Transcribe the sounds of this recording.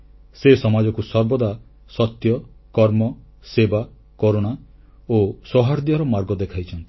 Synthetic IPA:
sesɔmad͡ʒɔkusɔɾbɔd̪a | sɔt̪jɔkɔɾmɔseba | kɔɾoɽ̃a | osɔɦaɾd̪iɔɾɔmaɾɡɔd̪ekʰajt͡ʃʰɔnt̪i̥

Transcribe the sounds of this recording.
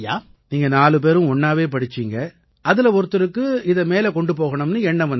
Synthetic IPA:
jaː | niːŋɡɐnaːlɯp̬eːɾɯ̃ɔɳːaːʋeːpɐɽɪt͡ʃːiŋɡɐ | ɐðɪlɐɔɾɯt̪ːɯɾɯkːɯɪðɐmeːlɛkɔɳɖɯpoːɣɐɳɯmnɯɛɳːɐʋɐn

